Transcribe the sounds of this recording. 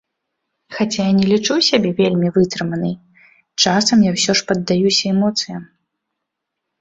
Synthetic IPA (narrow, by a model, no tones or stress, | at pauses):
xat͡sʲajanʲɛlʲit͡ʂusʲabʲɛvʲelʲmʲivɨt̪ɾɨmɐnɨj | t͡ʂasɐmjawsʲɔʂpɐd̪ːajusʲɐɛmɔt̪sɨjɐm